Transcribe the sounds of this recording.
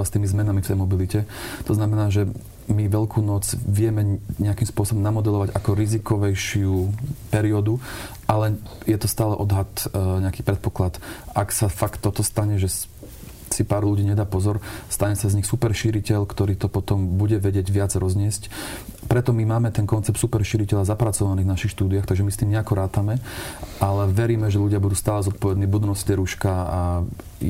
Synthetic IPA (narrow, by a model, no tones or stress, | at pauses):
st̪iːmizmɛnamift̪ɛjmɔbilicɛt̪ɔznamɛnaːʒɛ | miʋɛʎkʰuːnɔd͡zʋɪɛmɛɲɛakimspʊɔsɔbɔmnamɔd̪ɛlɔʋaɟakɔɾizikɔʋɛjʃɪupɛɾiɔd̪u | ʔalɛ | jɛt̪ɔst̪aːlɛʔɔd̪ɦat̪ɲɛakiːpɾɛt̪̚pɔklat̪ʔaksafakt̪ːɔt̪ɔst̪aɲɛʒɛ | sipaːɾluɟiːɲɛd̪aːpɔzɔɾst̪aɲɛsazɲixsupɛɾʃiːɾicɛʎkt̪ɔɾiːt̪ɔpɔt̪ɔmbuɟɛʋɛɟɪɛɟʋɪad͡zɾɔzɲɪɛscpɾɛt̪ɔmimaːmɛt̪ɛnkɔnt͡sɛpt̪supɛɾʃiɾicɛʎazapɾat͡sɔʋaniːvnaʃixʃt̪uːd̪iaxt̪aɡʒɛmist̪iːmɲɛakɔɾaːt̪amɛʔalɛʋɛɾiːmɛʒɛʎuɟɪabud̪uːst̪aːlɛzɔt̪̚pɔʋɛd̪niːbud̪unɔstɛɾuʃkaa